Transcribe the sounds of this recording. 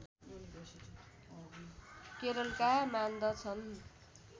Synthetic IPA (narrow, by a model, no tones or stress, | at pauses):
keɾʌlkamand̪ʌt͡sʰʌn